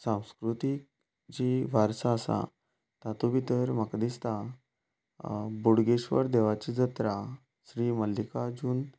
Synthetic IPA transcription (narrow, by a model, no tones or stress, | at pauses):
sãw̃skɾut̪ik̚ | d͡ʑiʋaɾsaəsa̰ | t̪at̪ubit̪əɾmakd̪ist̪a | buɽɡeɕʋə̰ɾd̪eʋat͡ɕid͡zət̪ɾa | ɕɾiməlːikad͡ʑuːn